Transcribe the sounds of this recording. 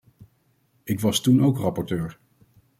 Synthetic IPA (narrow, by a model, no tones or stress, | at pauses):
ɪkʋɑstunowkrɑpɔɹtøːɹ